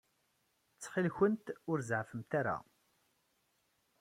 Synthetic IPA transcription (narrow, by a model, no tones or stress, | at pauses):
t͡sːχilçənt̪ʊɾzʕfəmt̪aɾa̰